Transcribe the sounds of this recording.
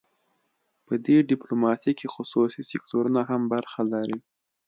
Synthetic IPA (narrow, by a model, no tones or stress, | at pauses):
pəd̪eɖɪplomɑt̪ikexʊsusisɪk̚t̪oɾunaɦambaɾxalaɾi